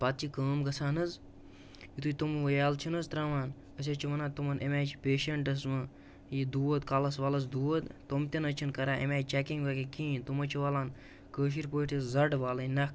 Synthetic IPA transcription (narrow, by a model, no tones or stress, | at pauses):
pat̪̚t͡ʃikəːmɡɐsʰaːnɨz | it̪uit̪umʋɐjaːlt͡ʃʰinɐzt̪ɾaːʋaːn | ɐs̬ʲɐt͡ʃʰiʋɐnaːt̪umɐnʔemʲaːt͡ʃʰpʲeːʃɐɳʈɐsmɨ | jid̪uːɐt̪kalɐsʋalɐs̬d̪uːʋɐt̪t̪omt̪inɐt͡ʃʰinkɐɾaːʔḛmʲaːt͡ʃɛkiŋɡʋɐkikĩːnt̪umɐt͡ʃʰiʋaːlaːn | kəːʃ̬iɾpoːʈʰiszɐɖʋaːlɐinɐk